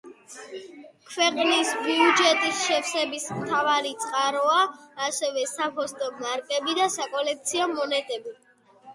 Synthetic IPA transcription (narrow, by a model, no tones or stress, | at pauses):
kʰwɛqʼnisbiud͡ʒɛt̪ʼisʃɛfsɛbismt̪ʰavaɾit̪sʼqʼaɾɔaːsɛvɛsapʰɔst̪ʼɔmaɾkʼɛbid̪asakʼɔlɛk̚t̪sʰiɔmɔnɛt̪ʼɛbi